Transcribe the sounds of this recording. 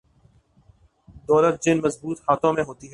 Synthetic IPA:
d̪ɔːlət̪̚d͡ʒɪnmɐzbuːt̪haːt̪ʰõmẽɦoːt̪iɦɛː

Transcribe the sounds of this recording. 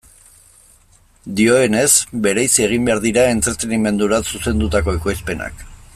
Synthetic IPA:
d̪io̞e̞ne̞zbe̞ɾajsie̞ɣ̞imbe̞aɾðiɾae̞nt͡s̪et̪e̞nime̞nd̪uɾasuse̞nd̪ut̪ako̞ekojspe̞na̰k

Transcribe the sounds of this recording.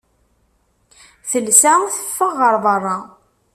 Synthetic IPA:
θəlsæθə̥fːəʁːəɾˤðˤɑrˤːɑ

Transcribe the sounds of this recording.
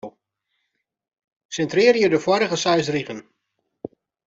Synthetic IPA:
w | sɛntrɪːrjədəfwɔɾəɣəsaɥsriɣən

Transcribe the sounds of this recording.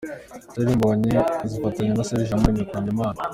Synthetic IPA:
zeɾimboɲezifataɲenaseɾiʒamuinekoɲemaːna

